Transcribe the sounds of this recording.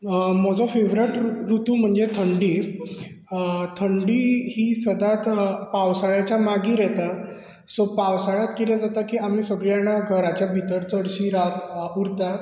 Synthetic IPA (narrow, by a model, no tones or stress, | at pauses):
mɔd͡zɔfeʋɾəʈɾut̪uːm̤əɳd͡zet̪ʰəɳɖi | t̪ʰəɳɖiːhiːsəd̪ʱat̪pawsaɭjat͡ɕjamaɡiːɾɛt̪a | sopawsaɭat̪kit̪ɛd͡zat̪akiːam̤iːsəɡɭjanaɡʱəɾat͡ɕjabʱit̪əɾt͡səɽɕiːɾakuɾt̪a